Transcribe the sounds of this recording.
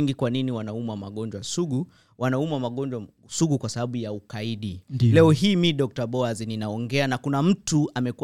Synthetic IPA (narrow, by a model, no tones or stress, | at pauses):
ŋɡikwaniniwanaumamaɠɔnd͡ʒwasuɡu | wanaumamaɠɔnd͡ʒwa | suɠukwasaɓaɓujaukaiɗilɛɔɦiːmiɗɔk̚taɓɔazininaɔŋɡɛanakunam̩tuamɛku